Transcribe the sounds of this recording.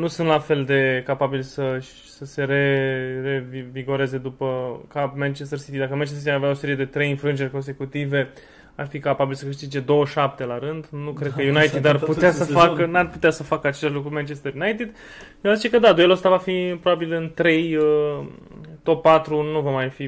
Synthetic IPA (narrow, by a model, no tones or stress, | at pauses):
nusunt̪lafe̞ld̪e̞kapabilsə | səse̞ɾe̞re̞viviɡo̞ɾe̞ze̞d̪upəkamant͡ʃest̪ərsit̪id̪akəmant͡ʃes̬it̪iaveao̞se̞ɾije̞d̪e̞t̪ɾe̞jinfɾuɨnd͡ʒe̞rʲko̞nse̞kut̪ive̞ | arfikapabilsəkɨʃt̪id͡ʒe̞d̪o̞wəʃap̚t̪e̞laɾɨnd̪nukɾed̪kəjunajt̪id̪arput̪easəfakənarput̪easəfakəat͡ʃe̞laʃlukɾumant͡ʃest̪əɾjunajt̪id̪ | azit͡ʃe̞kəd̪ad̪uelost̪avafipɾobabilɨnt̪ɾe̞jə | t̪o̞pːat̪ɾunuvamajfi